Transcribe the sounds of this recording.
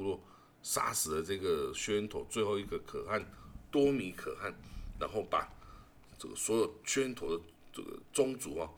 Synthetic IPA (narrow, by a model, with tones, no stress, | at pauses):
u˧lwɔ˥˧˨ | sa̰˥s̩˨˥d̪ə˨t͡sɤ˥˧ɡə˩ɕɥɛ˥nt̪ʰo˨˧˦ʊt͡swe˥˧ɪxo˥˧ʊi˧˥ɡə˧˨kʰɤ̰˨˩a˥˩nt̪wɔ˥mi˨˧˥kʰɤ̰˨˩a˥˩nːa˧˦nxo˥˩ʊpa̰˨˩ | t͡sə˥˩ɡə˩swɔ˧˥jo˨˩ʊt͡ɕʰɥɛ˥nt̪ʰo˨˥ʊd̪ə˨ | ə̰˥˩ɡə̰˨˩t͡sʊ˥ŋt͡sṵ˨˥ɔ˧